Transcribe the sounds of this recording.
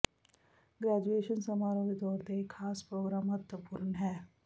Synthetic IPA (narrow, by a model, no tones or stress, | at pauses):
ɡɾɛːd͡ʒueːʃənsɐmaːɾõked̪ɔːɾt̪ekʰaːspɾoːɡɾaːmɦɐt̪wəpuɾɳɦɛː